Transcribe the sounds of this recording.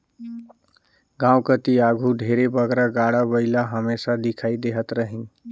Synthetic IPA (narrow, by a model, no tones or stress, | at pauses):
ɡãwkət̪iaɡʱuɖʱeɾebəɡɾaɡaɽabəɪlaɦəmesad̪ikʰaid̪eɦət̪ɾəɦin